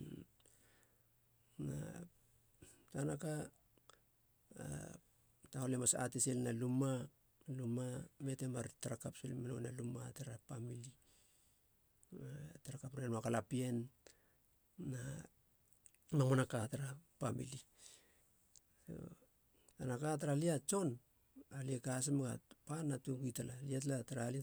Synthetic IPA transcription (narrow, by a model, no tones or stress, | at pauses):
na̰ | tanaka | taolemasa̰teselnaluma | lumame̞temaɾtaɾakapselmanonalumataɾapamili | ataɾakapɾeanoakalapie̞n | a | mamonakataɾapamḭli | so̰ | tanakat̬aɾaliat͡ʃo̞n | aliekas̬emɡa̰panːatukitalaliatlataɾali